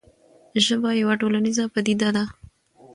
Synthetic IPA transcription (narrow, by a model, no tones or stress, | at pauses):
ʒəbajawaʈolanizapad̪id̪ad̪a